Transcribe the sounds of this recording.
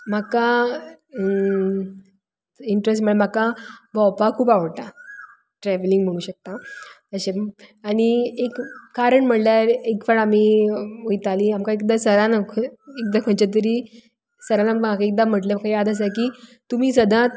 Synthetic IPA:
m̤aka | iɳʈɾes̬ʈm̤əɭm̤akabʱɔwpakʰuːpaʋəʈa | ʈɾɛʋliŋɡm̤əɽ̃ũːɕək̚t̪a | əɕeaɽ̃iekːaɾəɳm̤əɽljaɾekfaɭamiːojt̪aliamkaekd̪asəɾanakʰek̚d̪akʰə̃ɳt͡ɕat̪̬əɾiː | səɾãlam̤akaek̚d̪am̤əʈlam̤akajad̪əs̬akiːt̪um̤iːsəd̪ʱãt̪

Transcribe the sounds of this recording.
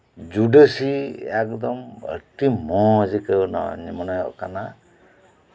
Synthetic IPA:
d͡ʒuɖəsiɛk̚d̪ɔmə̰ʈimɔ̃zikənɔ̰nimɔnajɔ̰ʔkana

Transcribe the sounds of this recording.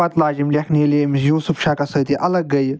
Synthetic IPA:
ɐt̪laːzimlʲɐkʰniːleːmisjuːsufʃaːkɐsɐt̪iʔɐlɐɡːɐj

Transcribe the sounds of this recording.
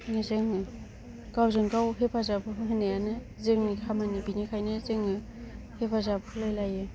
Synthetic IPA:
zɯŋ | kawzɯŋkawɦepʰazabɯɦɯɦhɯnejanɯ | zɯŋikʰamanibinikʰajnɯzɯŋ | hepʰazabhʰɯlajlajɯ

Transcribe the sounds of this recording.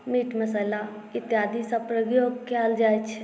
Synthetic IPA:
miːʈməsəla | it̪jad̪ʱisəpɾəɡjoɡkɛld͡ʒajt͡ʃʰ

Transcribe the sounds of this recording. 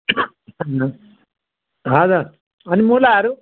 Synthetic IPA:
ɦad̪a | ɐnimuːlaːɾu

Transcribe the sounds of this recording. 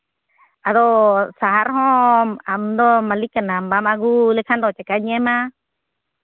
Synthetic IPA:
aðosaɦaɾɦõand̪omãlikanãmbamãɡulekʰand̪ot͡ʃekaɲẽmã

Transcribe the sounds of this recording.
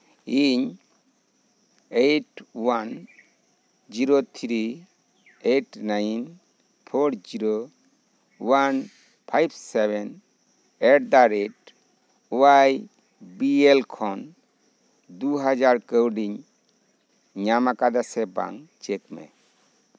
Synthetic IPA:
iɲ | ejʈwan | d͡ʒiɾot̪ʰɾi | eʈnajn | pʰoɾd͡ʒiɾo | wan | pʰajbsebɛn | eʈd̪aɾeʈ | uwaj | bielkʰɔn | d̪uɦad͡ʒaɾkəwɖiɲ | ɲamakad̪asɛba̰ŋt͡ʃekmɛ̰

